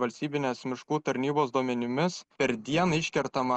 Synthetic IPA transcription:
ʋɐlʲsʲt̪ʲiːbʲɪnʲeːsmʲɪʃkuːt̪ɐɾʲnʲiːboːsd̪uɔmʲɛnʲɪmʲɪspʲɛɾd̪ʲiɛnɐɪʃʲkʲɛɾt̪ɐmɐ

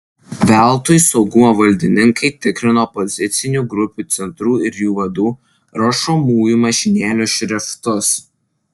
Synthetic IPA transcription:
ʋʲæˑlˠˑt̪ʊjsɒʊɡʊmoːʋɐlʲd̪ʲɪnʲɪŋkɐɪt̪ʲɪkɾʲɪnoːpɔzʲɪt̪sʲɪnʲuːˑɡɾʊpʲuːt̪sʲɛnt̪ɾuːɪɾʲjuːʋɐd̪uː | ɾoːʃomuːjumɐʃʲɪnʲeːlʲʊʃʲɾʲɛft̪ʊs

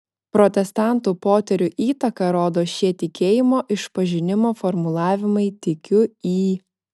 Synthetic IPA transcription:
pɾɔt̪ʲɛst̪ɑˑnˑt̪upoːt̪ʲɛɾʲʊʔiːt̪ɐkɐɾoːd̪oːʃʲiɛt̪ʲɪkʲeːjɪmoːʔɪʃpɐʒʲɪnʲɪmoːfɔɾmʊlˠɑːʋʲɪmɐɪt̪ʲɪkʲʊiː

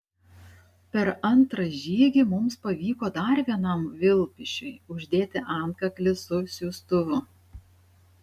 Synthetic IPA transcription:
pʲɛɾɐnt̪ɾɐʒʲiːɡʲimʊmspɐʋʲiːkoːd̪ɐɾʋʲiɛnɐˑmʋʲɪlˠʲpʲɪʃʲʊɪʊʒʲd̪ʲeːt̪ʲɪʔɑˑnkɐklʲɪsʊsʲuːst̪ʊʋʊ

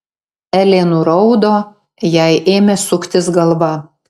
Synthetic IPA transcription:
ælʲeːnuɾɐʊd̪oː | jæɪʔeːmʲɛsʊkt̪ʲɪsɡɐlˠʋɐ

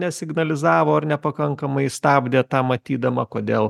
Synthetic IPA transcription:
nʲɛsʲɪɡnɐlʲɪzɑːʋoːɐɾnʲɛpɐkɐŋkɐmɐɪst̪ɑːbʲd̪ʲeːt̪ɑːmɐt̪ʲiːd̪ɐmɐkoːd̪ʲeːlˠ

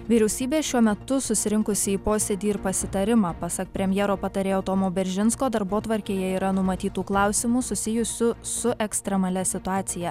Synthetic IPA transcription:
ʋʲiːɾʲɛʊsʲiːbʲeːʃʲuɔmʲɛt̪ʊsʊsʲɪɾʲɪŋkʊsʲɪiːpoːsʲeːd̪ʲiːɪɾpɐsʲɪt̪ɐɾʲɪmɑːpɐsɐk̚pʲɾʲɛmʲjeːɾoːpɐt̪ɐɾʲeːɐʊt̪oːmoːbʲɛɾʲʒʲɪnskoːd̪ɐɾboːt̪ʋɐɾʲkʲeːjɛiːɾɐnʊmɐt̪ʲiːt̪uːklˠɑˑʊsʲɪmuːsʊsʲɪjʊsʲʊsʊʔɛksʲt̪ʲɾʲɛmɐlʲɛsʲɪt̪ʊɑːt̪sʲɪjɛ

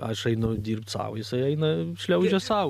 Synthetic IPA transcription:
ɐʃɐɪnʊd̪ʲiːrp̚t̪sɑ̰ʊjɪsɐɪɐɪnɐʃʲlʲɛʊd͡ʒʲɛsɐʊ

